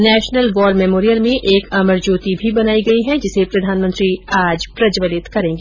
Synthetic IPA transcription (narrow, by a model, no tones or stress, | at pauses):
nɛːʃnəlʋɔːɾmɛmoːɾijəɾmẽʔeːkɐməɾd͡ʒuːt̪ibʱibɐnaːiɡɐiɦɛ̃d͡ʒɪsepɾɐd̪ʱaːnmə̃nt̪ɾiaːd͡ʒpɾɐd͡ʒʋəlɪt̪kɐɾẽːŋɡiː